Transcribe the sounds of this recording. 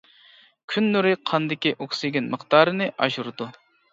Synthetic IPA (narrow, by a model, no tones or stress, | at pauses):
kʲʰynːyɾɪqʰɑnd̪ɪkʲiʔoksɪɡʲinməχt̪ɑːɾɨnɨʔɑ̰ʒuɾd̪u